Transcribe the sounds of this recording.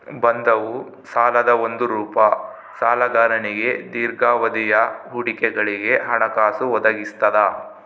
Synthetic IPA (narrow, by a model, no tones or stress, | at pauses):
bɐnd̪ɐʋu | saːlɐd̪ɐond̪uɾuːpɐ | saːlɐɡaːɾɐniɡe̞d̪iːɾɡaːʋɐd̪ijɐɦuɽikɛɡɐɭiɡe̞ɦɐɳɐkaːsuʋɔd̪ɐɡist̪ɐd̪ɐ